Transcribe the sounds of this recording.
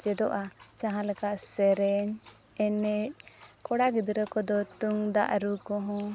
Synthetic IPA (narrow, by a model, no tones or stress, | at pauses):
d͡ʒɛd̪ɔʔat͡ʃãɦãlɛkaʔsɛɾɛɲ | ɛnɛc̚kɔɽaɡid̪ɾəkɔd̪ɔt̪uŋd̪a̰ʔɾukɔ̃ɦɔ̃